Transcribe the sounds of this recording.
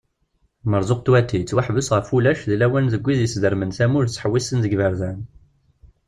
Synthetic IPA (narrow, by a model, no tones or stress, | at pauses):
məɾzʊq̚t̪wæt̪ːit͡sːwaħvʊsʁəfulæʃðilæwænðəɡʷːiðjəsd̪əɾmənθæmʊɾt͡sːħəwːisənðəɡvəɾðæn